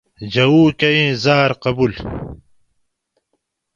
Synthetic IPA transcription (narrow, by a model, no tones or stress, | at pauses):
d͡ʑɐwuːkɐĩːzaːɾqɐbul